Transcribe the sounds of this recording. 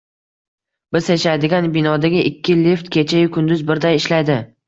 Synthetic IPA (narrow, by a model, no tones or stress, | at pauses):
bɪzjaʃajd̪ɪɡʲanbɪnɒd̪aɡʲɪʔɪkʲːɪlift̪kʲʰe̞t͡ʃʰajʊkʰʊnd̪ʊzbɪɾd̪ajɪʃlajd̪ɪ